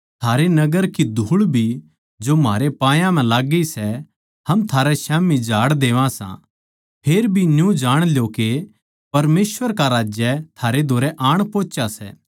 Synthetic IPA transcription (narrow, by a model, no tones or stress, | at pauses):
t̪ʰaːɾenɐɡəɾkid̪ʱuːɭbʱi | d͡ʒomaːɾepãːjãm̤ɛ̃laːɡisɛ | hɐmt̪ʰaːɾɛʃaːmid͡ʒʱaːɽd̪eːʋãsã̰ | pʰeːɾbʱinjũd͡ʒaːɽ̃ljoke | pɐɾmeːsʋəɾkaɾaːd͡ʒjɛt̪ʰaːɾed̪ʱoːɾɛʔaːɽ̃poːt͡ʃasɛ̰ː